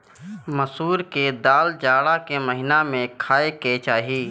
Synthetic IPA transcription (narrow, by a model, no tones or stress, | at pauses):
məsuːɾked̪aːld͡ʒaːɽakeməɦɪnamẽkʰaːeket͡ʃaːɦiiː